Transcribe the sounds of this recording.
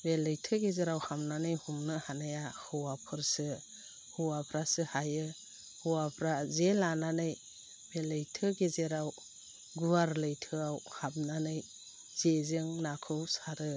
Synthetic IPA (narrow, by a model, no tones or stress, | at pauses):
belɯjtʰɯɡezeɾawhamnanɯjhumnɯhanajahɯwapʰɯɾsɯ | huwapʰɾasɯhajɯ | huwapʰɾazelananɯj | belɯjtʰɯɡezeɾaw | ɡuwaɾlɯjtʰɯawhab̚nanɯj | z̥ezɯŋnakʰɯwsaɾɯ